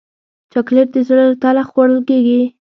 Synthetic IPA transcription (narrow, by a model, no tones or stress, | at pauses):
t͡ʃakleɾd̪əzɽət̪alaxwaɽəlkeɡi